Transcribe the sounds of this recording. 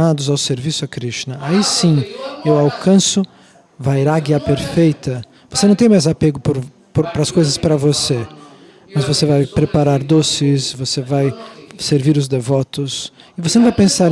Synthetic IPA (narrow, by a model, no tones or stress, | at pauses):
ad̪ʊzawseɾvisʊakɾiʃt͡ʃinɐaisĩewawkʰɐ̃sʊ | vaiɾaɡiapeɾfejt̪ɐ | vosenɐ̃w̃t̪ẽmajzapeɡʊpʊɾ | pɾpɾɐskojzɐspɾɐvose | mɐzvosevajpɾepaɾaɾd̪osɪsvosevajseɾviɾʊzd̪evɔt̪ʊsɪvosenɐ̃vajpẽsaɾ